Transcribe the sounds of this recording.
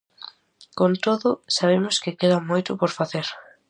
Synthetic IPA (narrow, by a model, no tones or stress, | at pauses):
kont̪oðʊsaβemʊskɪkeðamojt̪ʊpoɾfaθeɾ